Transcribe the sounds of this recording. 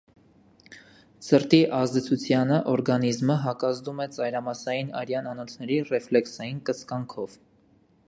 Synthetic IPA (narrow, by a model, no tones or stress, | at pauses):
səɾt̪iʔɑzd̪ɛt͡sʰut͡sʰjɑnəʔɔɾɡɑnizməɦɑkɑzd̪umɛt͡sɑjɾɑmɑsɑjinɑ̰ɾjɑnɑnɔt̪ʰnɛɾirɛflɛksɑjinkəskɑŋkʰɔv